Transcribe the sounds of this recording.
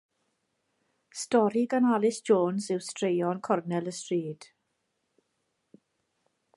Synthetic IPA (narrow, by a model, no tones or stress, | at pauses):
stɔɾiɡanalɪsʒoːnsɪwstrejɔnkʰɔrnɛləstriːd̥